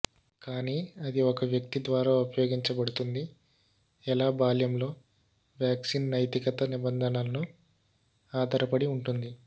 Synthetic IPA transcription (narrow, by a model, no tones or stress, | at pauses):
kaːniːɐd̪iɔkɐʋjɐk̚t̪id̪ʋaːɾaːupɐjo̞ːɡiɲt͡ʃɐbɐɽut̪und̪i | ɛlaːbaːljɐmlo̞ː | ʋjaːksiːnnɐjt̪ikɐt̪ɐnibɐnd̪ʱɐnaːlɐnu | aːd̪ʱɐɾɐpɐɽiuɳʈund̪i